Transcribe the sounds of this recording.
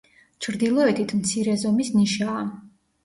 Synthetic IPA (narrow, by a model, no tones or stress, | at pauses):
t͡ʃʰɾd̪ilˠɔɛt̪ʰit̪ʰmt̪sʰiɾɛzɔmisniʃaː